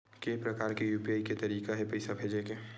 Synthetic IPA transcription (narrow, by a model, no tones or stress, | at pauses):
kepɾɐkaːɾkejuːpiaːiket̪ɐɾiːkaɦɛpɐɪsabʱeːd͡ʒekeː